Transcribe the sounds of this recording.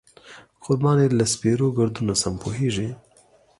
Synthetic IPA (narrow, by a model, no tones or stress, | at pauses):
qʊɾbɑːnelaspeɾoɡəɾd̪unasɐmpʰoɦeːʒi